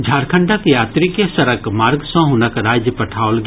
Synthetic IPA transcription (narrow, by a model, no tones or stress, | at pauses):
d͡ʒʱaːɾkʰəɳɖəkjaːt̪ɾikjesɐɾəkmaːɾɡsɔ̃ɦonəkɾaːd͡ʒjəpɐʈʰaːolɡ